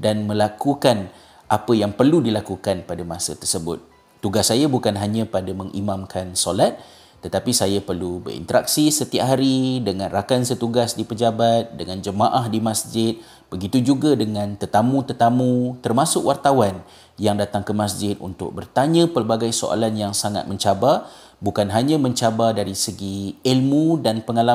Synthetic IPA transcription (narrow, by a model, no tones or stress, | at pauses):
danmə̃lakukan | ʔapəjaŋpərludilakukanpadamasət̪ərsəbʊt̪̚ː | uɡasːajabukanɦaɲə̃padamə̃ŋʔḭmamkʰansolat̪̚ː | ət̪apisajapərlubə̰ɾḭnt̪əɾak̚sisət̪iaʔɦaɾidəŋãnrakansət̪uɡasdipəd͡ʒabat̪̚dəŋand͡ʒəmaʔahdimasd͡ʒɪt̪̚ | b̥əɡit̪ud͡ʒuɡadəŋãnt̪ət̪amũt̪ət̪amũt̪ərmasʊkwʔart̪awan | jaŋdat̪aŋkəmasd͡ʒɪt̪̚ṵnt̪ʊ̰k̚bərt̪aɲãpərbaɡajso̰ʔa̰lanjaŋsaŋa̰t̪̚məɲt͡ʃaba | bukanɦaɲãmə̃ɲt͡ʃabadaɾisəɡiilmudanpəŋala